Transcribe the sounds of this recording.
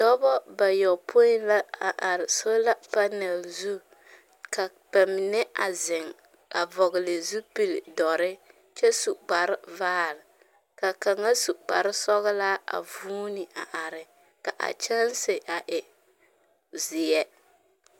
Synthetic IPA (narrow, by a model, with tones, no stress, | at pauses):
dɔ˦bɔ˦ba˨jɔ˨pʰo˦ɪ˦la˦a˨ʔa˨ɾɪ˨so˦la˦pa˦nɛ˨lzu˦ | ka˨ | b̥a˨mi˨nɛ˦a˨zɪ˨ŋ | a˨vɔ˨ɣɪ˨lɪ˨zu˦pi˨ldɔ˨ɾɪ˦ | t͡ʃɛ˦su˨k͡pa˨ɾɪ˦vaː˦lɪ˨ | ka˨ka˨ŋa˦su˨ʔk͡pa˨ɾɪ˦sɔ˦ɣɪ˦la˦a̰˨vuː˦ni˨a˨ʔa˨ɾɪ˨ | ka˨ʔa̰˨t͡ʃɛ˦lsɪ˨ʔa˨ʔɪ˨ | zɪ˨jɛ˦